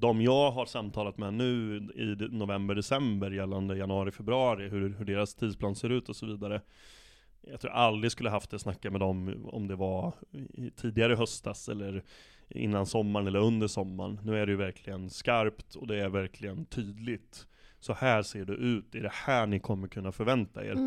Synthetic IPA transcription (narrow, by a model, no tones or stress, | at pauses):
d̪ɔmjɑːɡɦaɾʂamt̪ʰɑːlat̪mɛnʉ̟ːɪnʊvɛmbəɖɛsɛmbəɾjɛlːand̪əjanɵɑːɾɪfɛbɾɵɑːɾɪɦɵɾhɵɖeːɾast̪ʰiːd̪spʰlɑːnseːɾʉ̟ːt̪ɔsɔviːd̪aɾə | jɑɡt̪ʰɾṵːʔald̪ɾɪskɵlːəɦaft̪ɛsnakːamɛd̪ɔmɔ̰md̪ɛva | t̪ʰiːd̪ɪɡaɾəɦœst̪t̪asɛ̰lːəɾ | ɪ̰nːansɔmːaɾɳɛlːəɾɵnd̪əʂɔmːa̰ɳnʉ̟ːæɖɛjɵvæɾkʰlɪɡənskaɾpt̪ɔ̰d̪ɛæɾvæɾkʰlɪɡənt̪ʰyːd̪lɪt̪ | sɔhæːseːɖɵʔʉ̟ːt̪ɛæɖɛhæːɳɪkʰɔmːəɾkʰɵnːafœɾvɛnt̪a̰ḛːɾ